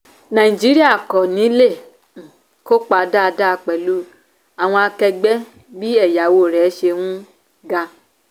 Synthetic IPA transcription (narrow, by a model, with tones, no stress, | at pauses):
nã˨i˨d͡ʒi˦ɾi˦a˦˨kɔ˨nĩ˨˦lẽ˦˨ | ko˦k͡pa˧da˦˧da˦˧˨k͡pɛ˨lu˦ | a˨w̃ɔ̃˧a˧kɛ˧ɡ͡bɛ˦ | bi˦ɛ˦˨ja˨˦wo˦˨ɾɛ˨˦ʃe˧wũ˦ | ɡa˧